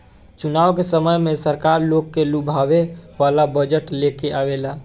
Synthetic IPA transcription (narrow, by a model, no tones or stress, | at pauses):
t͡ʃunaːʋkesəməjmesəɾkaːɾloɡkelubʱaʋeʋalabəd͡ʒəʈlekeʔaʋelaː